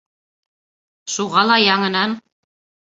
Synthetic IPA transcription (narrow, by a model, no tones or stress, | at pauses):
ʃuʁɑlˠɑjɑŋɤ̆nɑn